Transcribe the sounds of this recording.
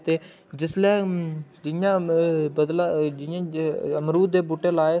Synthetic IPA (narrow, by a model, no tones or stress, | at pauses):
t̪eː | d͡ʒɪslɛːd͡ʒɪjãːbəd̪lad͡ʒɪjãːəmɾuːd̪eːbuʈeːlaːeː